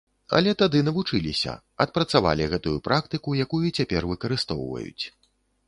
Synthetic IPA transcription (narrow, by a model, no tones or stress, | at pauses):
ɐ̰lʲɛt̪ad̪ɨnɐvut͡ʂɨlʲisʲɐ̰ | ɐt̪̚pɾɐt̪sava̰lʲiɣɛt̪ujupɾʔak̚t̪ɨkujakujuit͡sʲapʲɛrvɨkɐɾɨst̪ɔ̰wvɐ̰jṵt͡sʲ